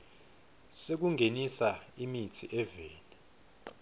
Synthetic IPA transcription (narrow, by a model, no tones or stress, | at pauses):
sek̬uŋɡʱenisaimitʰiʔɛveːni